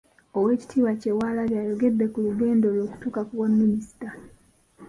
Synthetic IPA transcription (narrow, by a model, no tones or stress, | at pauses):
owe̞ːci̥tʰiːwacewaːlaljaːjo̞ɡe̞dːe̞kuluɡe̞ːndoːlwoːku̥tuːkakuβwamːinisi̥ta